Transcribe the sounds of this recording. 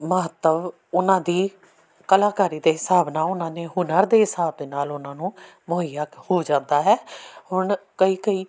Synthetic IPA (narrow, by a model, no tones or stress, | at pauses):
məɦət̪ːəʋ | ʊnãːd̪iː | kəlaːkaːɾiːd̪eːɦɪsaːbnaːʊnãːneːɦʊnəɾd̪eːɦɪsaːb̚d̪eːnaːlʊnãːnũː | mʊɦəjaːkhoːd͡ʒãːnd̪aːɦɛːhʊɳkəiːkəiː